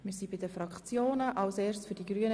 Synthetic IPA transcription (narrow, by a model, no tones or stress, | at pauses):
mɪɾsibɪdəfɾɑkχt͡sjoːnəʔɑlsɛːrsfyɾdiɡɾyːən